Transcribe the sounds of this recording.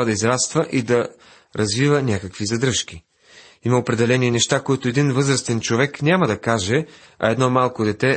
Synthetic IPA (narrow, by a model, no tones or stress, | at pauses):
əd̪ɐizɾast̪vəʔid̪ɐ | ɾʔɐzvivənʲakəkvizɐd̪ɾɤʃk̟ʲi | imɐopɾɛd̪ɛlɛninɛʃt̪akoit̪oɛd̪invɤzɾəst̪ɛnt͡ʃovɛknʲaməd̪ɐkaʒɛ | ɐ̰ɛd̪nɔmalˠkod̪ɛt̪ɛ